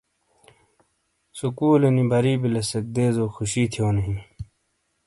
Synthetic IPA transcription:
sukuːlenibɐɾiːbilɐsɐk̚d̪eːzoːxuɕiːt̪ʰijoːnɐɦĩ

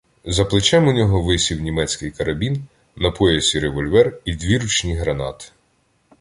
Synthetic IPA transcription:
zɐplˠɪt͡ʃɛmʊnʲɔɦɔʋɪsʲiwnʲimɛt͡sʲkɪjkɐɾɐbʲin | nɐpʰɔjɐsʲiɾeʋɔlʲʋɛrid̪ʲʋʲiɾut͡ʃnʲiɦɾɐnɑ̰t̪ɪ̥

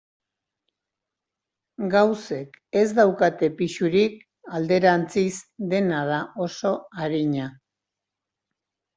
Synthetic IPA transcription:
ɡawse̞k | e̞zd̪awkat̪e̞piʃuɾik̚ | ald̪e̞ɾant͡sizd̪e̞nað̞ao̞so̞aɾiɲa

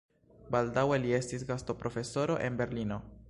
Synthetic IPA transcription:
baldawe̞lie̞stisɡasto̞pɾo̞fe̞so̞ɾo̞̰ʔe̞nbe̞ɾlino̞

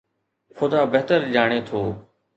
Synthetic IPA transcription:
xʊd̪aːbeɦt̪əɾd͡ʒaːɽ̃eːt̪ʰoː

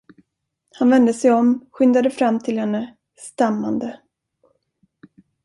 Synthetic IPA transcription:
hanvɛnd̪əsɛjɔmɧʏnd̪ad̪əfɾamːt̪ʰɪlhɛnːə | st̪amːand̪ə

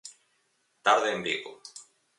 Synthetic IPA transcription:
t̪aɾðeːmbiɣo

